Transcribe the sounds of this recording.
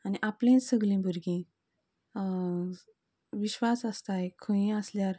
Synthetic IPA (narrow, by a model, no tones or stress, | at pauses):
aniʔaplẽnsəɡlĩbʱəɾɡĩ | ʋiɕʋasəst̪aekʰə̃ĩəsljaɾ